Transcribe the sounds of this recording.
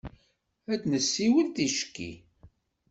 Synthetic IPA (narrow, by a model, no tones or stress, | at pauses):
æt͡snəsːiwəlt̪iʃə̥kːḭ